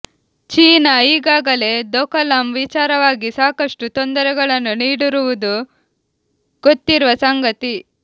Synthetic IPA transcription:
t͡ʃiːnɐiːɡaːɡɐle̞d̪ɔkɐlɐmʋit͡ʃaːɾɐʋaːɡisaːkɐʂʈut̪ond̪ɐɾɛɡɐɭɐnːuniːɽuɾuʋud̪u | ɡ̥ot̪ːiɾuʋɐsɐŋɡɐt̪i

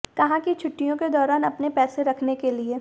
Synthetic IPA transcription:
kɐɦãkit͡ʃʰʊʈːijõked̪ɔːɾaːnɐpnepɛːseɾɐkʰnekelie

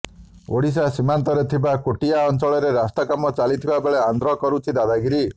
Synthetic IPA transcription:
o̰ɽis̬asimant̪ɔɾet̪ʰibakoʈijaɔnt͡ʃɔɭɔɾeɾast̪akamɔt͡ʃalit̪ʰibabeɭeand̪ɾɔkɔɾut͡ʃʰid̪ad̪aɡiɾi

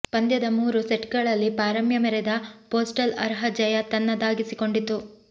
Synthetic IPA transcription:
pɐnd̪jɐd̪ɐmuːɾuseʈɡɐɭɐlːipaːɾɐmjɐmɛɾɛd̪ɐpoːsʈɐlɐ̰ɾɦɐd͡ʒɐjɐt̪ɐnːɐd̪aːɡisiko̞ɳɖit̪ːu

